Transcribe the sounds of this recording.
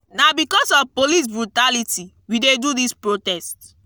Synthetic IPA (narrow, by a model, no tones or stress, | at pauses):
nabikɔsɔfpolis̬bɹutaliti | widedudispɹotɛst